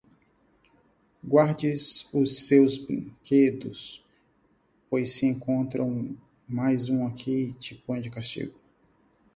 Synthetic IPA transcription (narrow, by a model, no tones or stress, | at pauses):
ɡwaɾd͡ʒɪzʊsewzbɾḭ̃kʰed̪ʊs | pojsːɪẽŋkõnt̪ɾɐ̃w̃ | majzũakʰit͡ʃɪpɐ̃d͡ʒɪkast͡ʃḭɡʊ